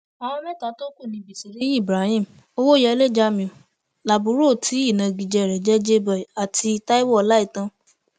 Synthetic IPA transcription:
a˨w̃ɔ̃˧mɛ̃˦˨ta˨˦to˦ku˦˨nĩ˧˨bi˨si˨ɾi˨˦i˦˨bɾa˨˦hĩ˦˨m̩˨ | o˦wo˦jɛ˧le˦˨d͡ʒa˧mĩ˧˨ | la˨bũ˨˦ɾo˦˨tʰi˨˦i˦˨nã˨˧ɡi˨d͡ʒɛ˧˨ɾɛ˨d͡ʒɛ˦d͡ʒe˦bɛ˨a˨tʰi˧ta˦i˦wɔ˦˨˦la˦i˦˨tã˧˦

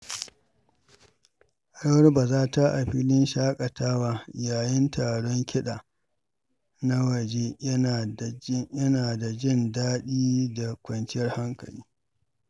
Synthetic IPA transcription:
ʔa˨ɽwɐ˦rbaː˨zaː˦ta˦ʔa˨ɸiː˦lɪ˦nʃaː˦kʼɐ˨taː˦waː˦jaː˨jɪ˦ntʰaː˨ɽɔ˦ŋkʲɪ˦ɗaː˨ | na˦wɐ˨d͡ʒe˦jɐ˦na˨˦jɐ˦naː˨da˨d͡ʒɪ˦ndaː˦ɗiː˦da˨kʷɐ˨nt͡ʃɪ˦jɐ˦rha˦ŋkɐ̰˨liː˦

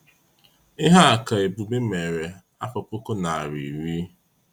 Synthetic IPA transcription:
ɪ˦ɦa˦a˨ka˨e˨bu˨bi˦me˨ɾe˨ | a˦pɔ˨po˦ko˦na˨a˨ɾḭ˨ɾi˦

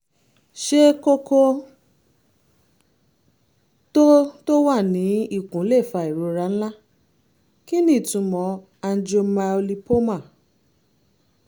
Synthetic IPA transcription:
ʃe˦ko˦ko˧ | to˦to˦wa˦˨nĩ˨˦i˦˨kũ˨˦le˦˨fa˧˨i˨ɾo˨˧ɾa˧˦n̩˦la˦ | ki˦nĩ˦˨tũ˧˦mɔ̃˨˧˦ | a˧n̩˦d͡ʒo˧ma˧o˧li˧po˦mã˦˨

